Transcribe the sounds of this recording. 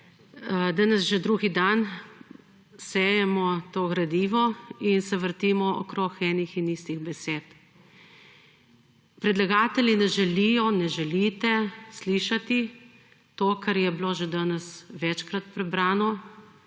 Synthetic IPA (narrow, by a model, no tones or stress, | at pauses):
d̪anɛsʒɛd̪ɾuːɡid̪an | sɛːjɛmɔt̪oːɣɾad̪iːʋɔinsɛʋəɾt̪iːmɔʔɔ̰kɾoːxɛːnixiniːst̪iɣbɛseːt̪ | pɾɛd̪laɡaːt̪ɛlʲinɛʒɛlijɔnɛʒɛlit̪ɛsliʃat̪i | t̪oːkaɾjɛbiloːʒɛd̪aːnɛsʋɛt͡ʃkɾat̪̚pɾɛbɾaːnɔ